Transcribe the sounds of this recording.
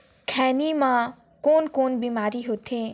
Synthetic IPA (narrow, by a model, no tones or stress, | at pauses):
kʰɛːnimã | koːnkoːnbiːmaːɾiɦot̪ʰẽ